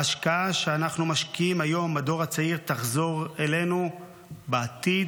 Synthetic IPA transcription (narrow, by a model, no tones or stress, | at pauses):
aʃkaaʃeanaχnumaʃkiimajo̞mado̞ʁat͡saiʁt̪aχzo̞ʁele̞nu | beat̪id